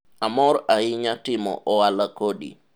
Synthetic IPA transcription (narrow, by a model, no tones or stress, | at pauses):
amɔɾaɪɲatɪmɔ̰ʔɔwalakoɗḭ